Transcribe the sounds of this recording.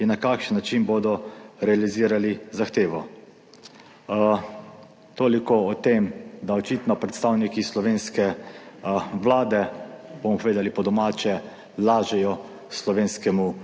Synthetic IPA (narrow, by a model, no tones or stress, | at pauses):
inakakʃənːat͡ʃiːnboːd̪ɔɾɛaliziːɾalizaxt̪eːʋɔ | t̪oːlikɔɔt̪emd̪aɔt͡ʃit̪nɔpɾɛt̪st̪aːwnikislɔʋeːnskɛ | ʋlaːd̪ɛbomɔpɔʋeːd̪alipɔd̪ɔmaːt͡ʃɛ | laːʒɛjɔ | slɔʋeːnskɛmu